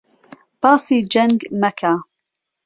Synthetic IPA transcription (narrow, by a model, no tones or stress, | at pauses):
b̥ɑːsiːd͡ʒɐŋɡmɐkʰa